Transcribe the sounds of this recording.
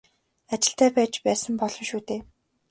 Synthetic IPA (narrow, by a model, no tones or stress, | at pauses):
at͡ɕɪ̆ɬt̪æːpæːt͡ɕpæːsə̆mpɔɮɞ̆mʃuːt̪eː